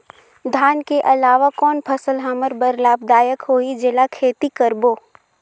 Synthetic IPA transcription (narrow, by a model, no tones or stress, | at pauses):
d̪ʱaːnkeʔɐlaːʋakɔːnpʰɐsəlɦaməɾbəɾlaːbd̪aːjəkɦoːid͡ʒɪlakʰeːt̪ikəɾboː